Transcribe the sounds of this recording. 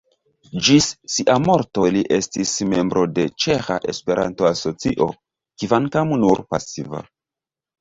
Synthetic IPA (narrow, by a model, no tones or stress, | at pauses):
d͡ʒisːiʔamo̞ɾto̞liʔe̞stisme̞mbɾo̞de̞t͡ʃe̞xa̰ʔe̞spe̞ɾʔa̰nto̞aso̞t͡siʔo̞̰ | kivankamnuɾpa̰siva̰